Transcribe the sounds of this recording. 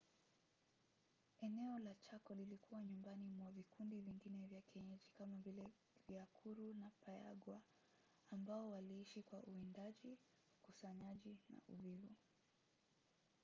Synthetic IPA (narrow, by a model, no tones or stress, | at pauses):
ɛnɛɔlat͡ʃakɔlilikuwaɲumbanimwavikundiviŋɡinɛvjakɛɲɛʄikamavilɛ | viakʰuɾunapaja̰ɡwaː | mbaɔwaliiʃikwaʔuindaʄi | ukusaɲaʄina̰ʔuvivu